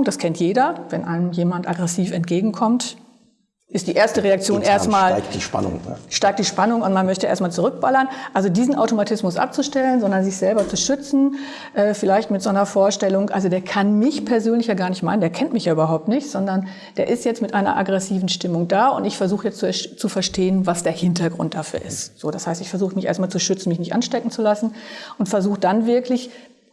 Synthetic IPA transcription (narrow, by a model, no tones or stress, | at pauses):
ŋd̥askʰɛntjeːdɐvɛnʔa̰ɪnəmjeːmantʔaɡʁɛsiːfɛntɡ̥eːɡŋ̩kʰɔmt | ʔɪstd̥iːʔeːɐstəʁeak̚t͡sjoːnʔʔeːɐstmaːlkd̥iʃpa̰nʊ̰ŋʃtaɪk̚td̥iːʃpanʊŋʊntmanmœçtəʔḛːɐstmaːlt͡suʁʏk̚b̥alɐnʔalzodiːzn̩ʔa̰ʊtomatʰɪsmʊsʔa̰p̚t͡suʃtɛlənzɔndɐnzɪçz̥ɛlbɐt͡suʃʏt͡sn̩ | ʔɛːfɪlaɪçtmɪtz̥onɐfoːɐʃtɛlʊŋʔalzodeːɐkʰanmɪçpʰɛɐzøːnlɪçjaːɡaːɐnɪçtmaɪnəndeːɐkʰɛntmɪçjaːʔyːbɐɦaʊp̚tnɪçtz̥ɔndɐn | d̥eːɐʔɪstjɛt͡stmɪtʔaɪnɐ̰ʔa̰ɡʁɛsiːvn̩ʃtɪmʊŋd̥aːʊ̰ntɪçfɛɐzuːxəjɛt͡stt͡suɛʃt͡sufɛɐʃteːənvasd̥eːɐhɪntɐɡʁʊ̰nt̚d̥afy̰ːɐɪ̰stz̥oːdashaɪstɪçfɛɐzuːxəmɪçʔḛːɐtmaːlt͡suʃʏt͡sn̩mɪçnɪçtʔa̰nʃtɛkŋ̩t͡sulasn̩ʔʊntfɛɐzuːxəd̥anvɪɐklɪç